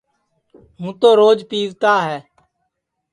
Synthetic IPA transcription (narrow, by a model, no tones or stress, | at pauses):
ɦũːt̪oːɾoːd͡ʒpiːʋt̪aːɦɛː